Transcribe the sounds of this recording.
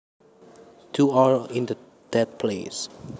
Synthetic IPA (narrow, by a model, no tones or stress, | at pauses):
tʰuaɹĩndə | d̥ɛt̪̚pʰles